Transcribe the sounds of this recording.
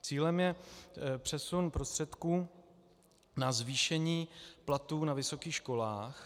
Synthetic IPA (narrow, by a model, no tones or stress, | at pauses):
t͡siːlɛmjɛpr̝̥ɛsunpɾo̞st̪r̥ɛt̪kuː | nazviːʃɛɲiːplat̪uːnavɪso̞kiːxʃko̞laːx